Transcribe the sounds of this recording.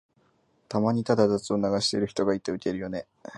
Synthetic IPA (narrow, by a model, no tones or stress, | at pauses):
t̪amaɲ̟it̪ad̪ad̪at͡sɨo̞naɡaɕi̥t̪e̞ɾɯ̟çi̥t̪o̞ɡait̪ːe̞ɯ̟ke̞ɾɯ̟jo̞ne̞